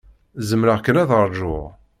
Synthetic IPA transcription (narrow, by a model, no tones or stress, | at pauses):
zəmɾaʁkːənæðəɾˤʒʊʁ